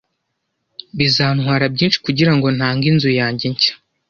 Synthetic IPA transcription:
βizaːnŋwaːɾab̚ɟiːnʃi̥kuɟiɾaŋɡo̞n̥haːŋɡinzujaːɲɟeɲcḁ

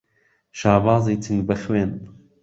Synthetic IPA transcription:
ʃaːbɑːzˤiːt̪ʰɨŋɡbɐxweːn

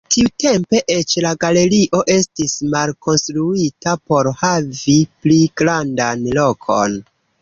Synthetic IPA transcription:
tʰiute̞mpe̞ʔet͡ʃlaɡale̞ɾiʔo̞ʔe̞stismalko̞nstɾuitapo̞ɾhavipliɡɾandanlo̞kʰo̞̰n

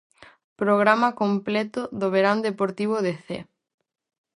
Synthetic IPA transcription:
pɾoɣ̞ɾamɐkomplɛt̪ʊðoβeɾand̪epoɾt̪iβ̞oʊðeθḛ

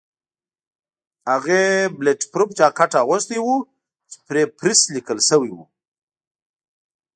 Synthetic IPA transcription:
haɣebleʈpɾup̚t͡ʃakaʈaɣʊst̪iwu | t͡ʃe̥pɾepɾislikəlsəwiwṵ

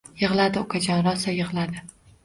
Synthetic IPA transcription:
jɨʁlˠad̪ɪʊkʰad͡ʒɒnɾɒsajɨʁlˠad̪ɪ

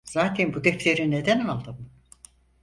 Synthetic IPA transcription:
z̥aːt̪ʰɛnbud̪ɛft̪ʰeɾined̪ænalˠd̪ɯm

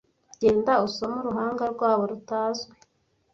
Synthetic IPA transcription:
ɟe̞ːndausomuɾuɦaːŋɡaɾɡwaːβo̞ɾutaːzɡe

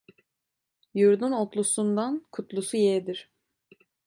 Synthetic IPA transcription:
juɾd̪unot̪lˠusund̪ankʰut̪lˠusujɛd̪iɾ̥

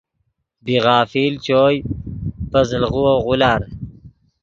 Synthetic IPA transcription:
biʁɑːfiːlt͡ɕoːjfɐzlʁuwoʁulaːɾ

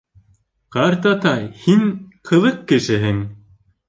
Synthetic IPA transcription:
qɑɾt̪ɑt̪ɑjhiŋqʰɤ̆ðɤqːɘ̆ʃɘ̆ɦɘŋ

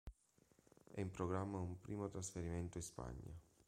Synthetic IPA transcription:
ɛ̰impɾoɡɾamːaumpɾʔiːmot̪ɾasfeɾiment̪oispa̰ɲːa̰

